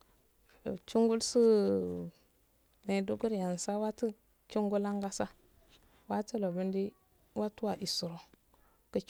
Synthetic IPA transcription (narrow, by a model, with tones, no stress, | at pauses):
t͡ʃu˦ŋɡu˦lsu˦ | me˨du˦ɡu˦ɾja˨n˨sa˦wa˦ti˦ | ki˦ŋɡu˦la˦ŋɡa˦sa˦ | wa˦tə˦lo˨bu˦ndi˦ | wa˦tu˦wa˨ʔi˨su˨ɾo˨ | kə˨